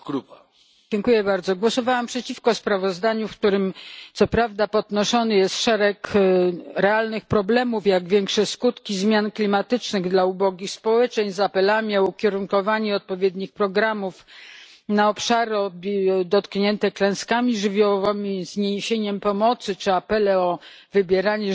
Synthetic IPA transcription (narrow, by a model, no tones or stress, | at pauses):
ɡɾupa | d͡ʑɛŋkujɛbaɾd̪zɔɡwɔsɔvawampʂɛt͡ɕifkɔspɾavɔzd̪aɲufkt̪uɾɘmt̪sɔpɾavd̪apɔd̪nɔʂɔnɘjɛst̪ʂɛɾɛk | ɾɛalnɘxpɾɔblɛmufjaɡvʲjɛŋkʂɛskut̪kʲizmʲjanklʲimat̪ɘt͡ʂnɘɣd̪laubɔɡʲixspɔwɛt͡ʂɛɲzapɛlamʲiɔukʲɛɾuŋkɔvaɲɛɔt̪̚pɔvʲjɛd̪ɲixpɾɔɡɾamuf | naɔpʂaɾɔbʲd̪ɔt̪kɲɛnt̪ɛklɛ̃w̃skamʲiʐɘvʲjɔwvɛmʲizɲeɕeɲɛmpɔmɔt̪sɘt͡ʂɘapɛlɛɔ | vɘbʲjɛɾaɲɛ